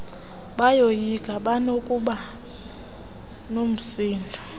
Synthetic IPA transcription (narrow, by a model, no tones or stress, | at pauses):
ɓajojiɡʱʼaɓanokʼuɓa | nom̩siːndʱu